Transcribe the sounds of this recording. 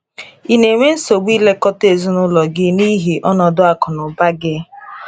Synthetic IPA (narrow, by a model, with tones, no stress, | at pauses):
i˦ne˨ŋʷe˦n̩˦so˨ɡ͡bi˦le˦kɔ˦te˨zu˦nʊ˦lɔ˨ɡɪ˦ni˦ɦi˨ʔɔ˦nɔ˨dʊ˦a˦kʊ˨nʊ˨ba˦ɡɪ˦